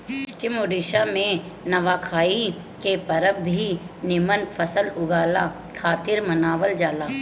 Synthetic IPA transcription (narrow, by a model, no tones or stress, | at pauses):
ʊʃt͡ʃɪmʊɖɪʃamẽ | nɐʋaːkʰaːi | kepɐɾəbʱinɪmənfʰəsəlʊɡaːla | kʰaːt̪ɪɾmɐnaːʋəld͡ʒaːlaː